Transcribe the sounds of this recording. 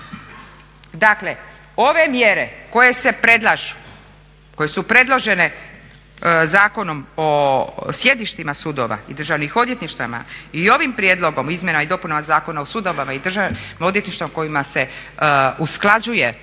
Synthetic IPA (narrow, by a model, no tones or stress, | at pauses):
d̪akle̞ | o̞ʋe̞mje̞ɾe̞ko̞je̞se̞pɾe̞d̪lˠaʒu | ko̞je̞supɾe̞d̪lˠo̞ʒe̞ne̞ | zaːko̞no̞mosje̞d̪iʃt̪imasud̪oʋa̰id̪r̩ʒaʋnixo̞d̪je̞t̪niʃt̪a̰ma̰io̞ʋimpɾjed̪lo̞ɡo̞mizmjenamaid̪o̞punamazaːko̞naosud̪oʋamaid̪r̩ʒao̞d̪jet̪niʃt̪amko̞jimase̞ | usklˠad͡ʒuje